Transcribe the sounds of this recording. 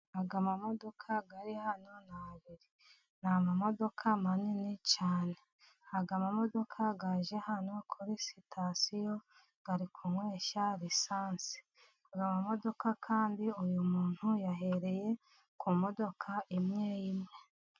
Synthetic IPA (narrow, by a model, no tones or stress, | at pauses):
aɡamamo̞do̞kʰaɡaɾihano̞naβiɾi | namamo̞do̞kʰamaninit͡ʃaːne̞ | aɡamamo̞do̞kʰaɡaʒe̞hano̞kʰuɾisitʰasijo̞ | ɡ̥aɾikʰumwe̞ːʃaɾisaːnsi̥ | aɡamamo̞do̞kakʰaːndiujumuːn̥hujaɦe̞ɾe̞je̞ | kʰumo̞do̞kʰaʔimŋeːjimŋe̞